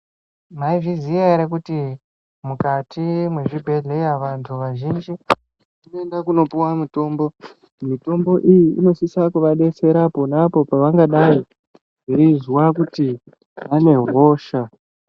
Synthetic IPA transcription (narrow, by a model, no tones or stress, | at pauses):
maiviziaɾek̬uti | mukatʰimwe̞ʐibʱe̞ɮe̞jaʋantʰuʋaʒind͡ʒi | inoendakuno̞puwamito̞ːmbo̞ | mito̞mbo̞ʔijiːno̞sisakuʋaɗe̞se̞ɾapo̞napo̞paʋaŋɡaɗai | ʐeizwakuti | ʋane̞ɦo̞ːʃa